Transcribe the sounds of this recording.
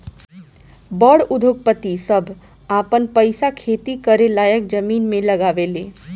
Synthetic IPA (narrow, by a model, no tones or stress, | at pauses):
bəɽud̪ʱok̚pət̪isəbʱ | apənpəjsakʰet̪ikəɾelajək̚d͡ʒəminmẽləɡaʋele